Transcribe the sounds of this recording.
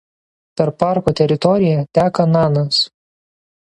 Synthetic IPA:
pʲɛɾpɑˑɾkot̪ʲɛɾʲɪt̪ɔɾʲɪjɛt̪ʲæːkɐnɑːnɐs

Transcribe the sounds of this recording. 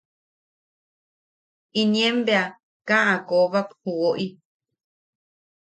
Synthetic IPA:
inj̃ẽmbea | kãʔãkoβaphuoʔi

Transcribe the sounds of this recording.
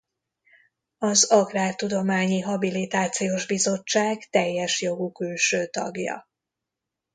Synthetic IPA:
ɒzɒkraːrt̪ud̪o̞maːɲiɦɒbilit̪aːt̪sijoʒbizo̞t͡ʃːaːɡt̪ɛjːɛʃjo̞ɡukylʃøːt̪ɒ̰ɡjɒ̰

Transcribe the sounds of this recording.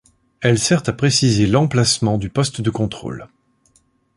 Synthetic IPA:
ɛlsɛʁt̪apχesizelɑ̃plasmɑ̃d̪ypɔst̪d̪əkɔ̃t̪χo̰l

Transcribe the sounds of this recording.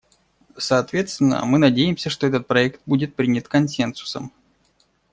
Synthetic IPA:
sɐːt̪vʲe̞t̪st̪vʲɪnːə̰mɨnɐdʲejɪmsʲəʂt̪o̞ɛt̪ət̪̚pɾɐɛkt̪̚budʲɪt̪̚pɾʲinʲət̪kɐnsʲensʊ̥sə̰m

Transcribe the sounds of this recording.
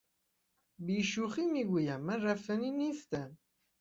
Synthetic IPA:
biʃuχimiɡʷujæmærˤːæfəninist̪æn

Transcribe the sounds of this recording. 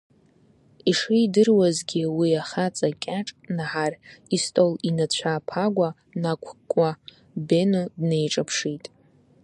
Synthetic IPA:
iʂidɨrwazɡʲiwiaχat͡sʼakʲʼaʈ͡ʂʼnaħaristʼolinat͡ɕʷʰaːpʰaɡʷa | nakʷʰkʷʼa | be̞nodne̞jʈ͡ʂʼapʰʂitʼ

